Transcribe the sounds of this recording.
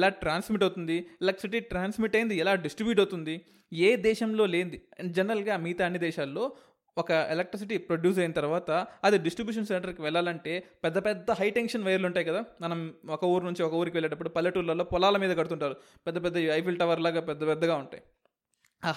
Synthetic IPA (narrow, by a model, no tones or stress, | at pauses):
ɛlaːʈɾaːnsmiʈɐwt̪und̪iɛlek̚ʈːsiʈiːʈɾaːnsmiʈɐjind̪iɛlaːɖisʈɾibjuːʈ̬ɐwt̪und̪i | eːd̪ɛːʃɐmlo̞ːle̞ːnd̪id͡ʒɛnɐɾɐlɡaːmiːt̪aːɐnːid̪ɛːʃaːlːo̞ː | ɔkɐelek̚ʈɾis̬iʈipɾoɖjuːs̬ɐjinɐt̪ɐɾuʋaːt̪ɐɐd̪iɖisʈɾibjuːʂ̬ɐnseɳʈɐɾkiʋɛɭːaːlɐɳʈe̞ːpɛd̪ːɐpɛd̪ːɐɦɐjʈeŋkʂɐnʋɐjɐɾuluɳʈaːjikɐd̪aːmɐnɐmɔkɐuːɾnuɲt͡ʃiɔkɐuːɾikiʋɛɭːeːʈɐpːuɽupɐlːɐʈuːlːɐlːo̞ːpɔlaːlɐmiːd̪ɐɡɐɽut̪uɳʈaːɾu | pɛd̪ːɐpɛd̪ːɐɐjpʰilʈɐʋɐɾlaːɡaːpɛd̪ːɐpɛd̪ːɐɡaːuɳʈa̰ːji